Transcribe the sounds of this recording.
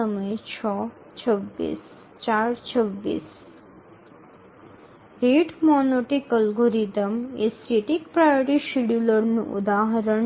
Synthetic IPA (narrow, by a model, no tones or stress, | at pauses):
ɔməet͡ɕʰɔ | t͡ɕʰəbːḭs | t͡ɕaɾt͡ɕʰəbːḭs | ɾeɖmɔnoʈikəlɡoɾid̪əmesɾiʈikpɾajoɾiʃiɽuloɾnṵʔṵd̪aɦaɾoɳ